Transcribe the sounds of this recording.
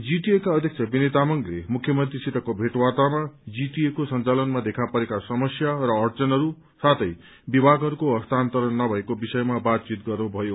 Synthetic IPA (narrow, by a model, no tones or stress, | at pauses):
d͡ziʈiekaʌd̪ʱjʌk̚t͡sʰʌbinet̪amʌŋɡlemukʰjʌmʌnt̪risit̪ʌkobʱeʈwat̪amad͡ziʈ̪iekosʌnt͡salʌnmad̪ekʰapʌɾekasʌmʌsjarʌːrt͡sʌnɦʌɾu | sat̪ʰʌj | bibʱaɡɦʌɾukoʌst̪ant̪ʌɾʌnːʌbʱʌekobisʌjmabat̪̚t͡sit̪ɡʌrnubʱʌjo